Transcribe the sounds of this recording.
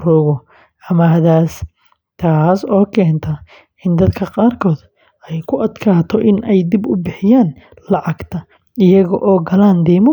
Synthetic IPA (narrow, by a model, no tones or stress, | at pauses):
rʊːɣɔ | ɐmɐɦɐðaːs | t̪ʰaːsɔːkʰɛːnt̪ʰɐ | ʔɪnd̪ɐd̪kʰɐqɑːrkʰɔːd̪ | ɛjkʰʊʔɐd̪kʰaːt̪ʰɔʔɪnɛjd̪ɪbʊbɪħɪjaːn | lɑʕɑɡt̪ʰɐ | ɪjɐɣɔʔɔːɡɐlaːnd̪iːmʊ